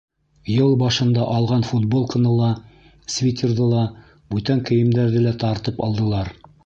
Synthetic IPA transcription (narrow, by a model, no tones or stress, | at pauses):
jɤlˠbɑʃɤ̆nd̪ɑʔɑlˠʁɑnfut̪̚bolˠkɤ̆nɤlˠɑ | svʲit̪ʲerðɤlˠɑ | bʉt̪æŋkɘ̆jɘ̆md̪æɾðɘlæt̪ɑɾt̪ɤpɑ̰lˠd̪ɤ̆lˠɑɾ